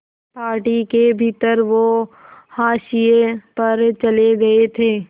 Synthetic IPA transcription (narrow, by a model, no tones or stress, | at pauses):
paːɾʈikebʱit̪əɾʋohaːʃijepɐɾt͡ʃɐleɡɐet̪ʰeː